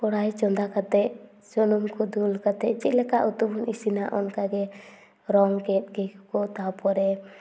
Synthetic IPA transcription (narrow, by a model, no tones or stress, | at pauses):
pɔɽajt͡ʃɔnd̪akat̪ɛʔ | sɔnumkɔd̪ulkat̪ɛʔt͡ʃit̪̚lɛkaʔut̪ubɔnisinaʔɔnkaɡɛ | ɾɔŋkɛt̪̚ɡɛkkɔt̪apɔɾɛ